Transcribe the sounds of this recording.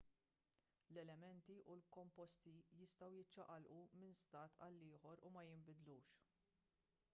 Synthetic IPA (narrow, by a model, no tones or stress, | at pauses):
lɛlɛmɛnt̪iʔulkɔmpɔst̪ijɪst̪ɐwjɪt͡ʃːɐʔɐlʔumɪnst̪ɐːt̪ʰɐlːɪːħɔɾumɐjɪmbɪd̪luːʃ